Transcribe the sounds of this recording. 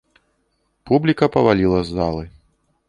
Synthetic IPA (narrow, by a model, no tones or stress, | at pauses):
publʲikɐpɐvalʲilˠɐzːalˠɨ